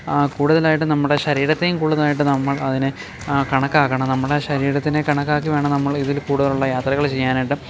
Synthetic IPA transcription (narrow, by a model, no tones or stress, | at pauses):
kuːɽuðɐlaːjiʈ̬ːɨnɐmːuɽe̞ɕɐɾiːɾɐt̪ːejumkuːɽuðɐlaːjiʈ̬ːɨnɐmːɐɭɐðinɨ | kɐɳɐkːaːɣɐɳɐmnɐmːuɽeɕɐɾiːɾɐt̪ːinekɐɳɐkːaːk̬ːiʋe̞ːɳɐnɐmːɐɭiðilkuːɽuðɐluɭːɐjaːt̪rɐɣɐɭt͡ɕe̞jːaːnajiʈːɨ